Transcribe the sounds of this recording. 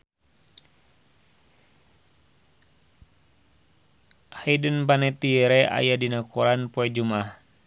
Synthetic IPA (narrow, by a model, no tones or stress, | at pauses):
haidənpanɛt̪iɛɾɛa̰jadinakuɾanpɔɛd͡ʒumah